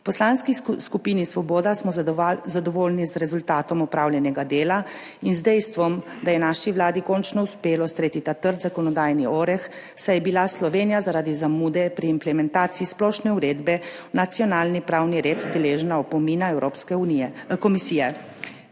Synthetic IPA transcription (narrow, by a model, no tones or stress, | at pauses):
pɔslaːnskiskupiːnisʋɔboːd̪asmɔzad̪ɔʋoːlnizɾɛzult̪aːt̪ɔmɔpɾaːwljɛnɛɡad̪eːla | inzd̪ɛjst̪ʋɔmd̪ajɛnaːʃiʋlaːd̪ikɔnt͡ʃnɔuspeːlɔst̪ɾeːt̪it̪at̪əɾt̪zakɔnɔd̪aːjniɔːɾɛx | sajɛbilaslɔʋeːnijazaɾaːd̪izamuːd̪ɛpɾiːmplɛmɛnt̪aːt̪siːsplɔʃnɛuɾeːd̪bɛ | nat̪sjɔnaːlnipɾaːwniɾeːt̪d̪ɛleːʒnaɔpɔmiːnaɛwɾoːpskɛuikɔmisijɛ